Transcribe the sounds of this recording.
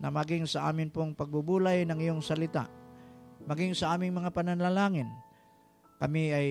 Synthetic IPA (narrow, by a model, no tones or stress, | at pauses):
nɐmɐɡɪŋsɐʔa̰ːmɪnpoŋpɐɡ̚bubuːlajnɐŋɪjoŋsɐlɪt̪a̰ | mɐɡɪŋsɐʔaːmɪŋmɐŋapɐnanlalaːŋɪn | kɐmɪaj